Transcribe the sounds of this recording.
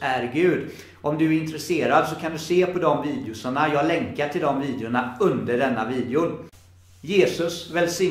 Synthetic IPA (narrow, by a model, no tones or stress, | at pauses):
æɾɡʉ̟ːd̪ | ʔɔmd̪ɵæɾɪnt̪ɾɛseːɾad̪sɔkʰand̪ɵseːpʰɔd̪ɔmviːd̪ɪʊsaɳajɑːlɛŋkaʈʰɪld̪ɔmviːd̪ɪʊɳaɵnd̪əɖɛnːaviːd̪ɪʊn | jeːsɵsvɛlsɪ